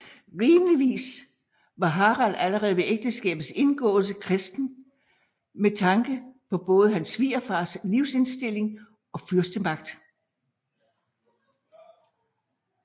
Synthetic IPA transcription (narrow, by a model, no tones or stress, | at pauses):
ʁiːməliʋḭːs | ʋɑ̈ɦɑ̈ʁɑlæləʁɛːð̞̩ˠʋe̝ʔeɡ̥̚d̥əsɡ̥ɛ̰ːb̥ð̩ˠse̝nɡ̥ɔ̰̽ːl̩s̬əkʰʁɛsd̥n̩ | met͡sʰɑ̈ŋɡ̥əpʰɒ̽b̥ɔ̽ːð̞ˠəɦænsʋiːɐfɑ̈ːsliʊse̝nsd̥e̝l̰e̝ŋ | ɒ̽fyɐsd̥əmɑ̈ɡ̥d̥